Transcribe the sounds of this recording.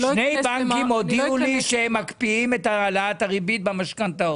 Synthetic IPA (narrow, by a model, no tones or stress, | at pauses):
ʃnejbaŋkimodiuliʃehemːakpiimet̪aalat̪aʁibit̪̚bamaʃkant̪ao